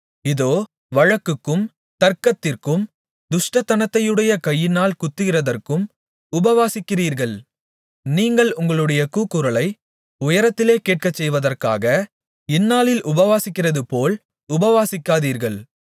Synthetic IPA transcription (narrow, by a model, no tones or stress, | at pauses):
ɪðoː | ʋɐɻɐkːɯkːɯm | t̪ɐɾkɐt̪ːɪrkɯm | d̪ʊʂʈɐt̪ːɐnɐt̪ːɐjɯɽɐjɐkɐjːɪnaːlkʊt̪ːɯɣɪrɐðɐrkɯm | ʊbɐʋaːsɪkːɪriːɾɣɐɭ | niːŋɡɐɭʊŋɡɐɭɯɽɐjɐkuːkːʊɾɐlɐɪ | ʊjɐɾɐt̪ːɪleːkeːʈ̚kɐt͡ʃːɛjʋɐðɐrka̰ːɣɐ | ɪnːaːlɪlʔʊbɐʋaːsɪkːɪrɐðɯpoːl | ʊbɐʋaːsɪkːaːðiːɾɣɐɭ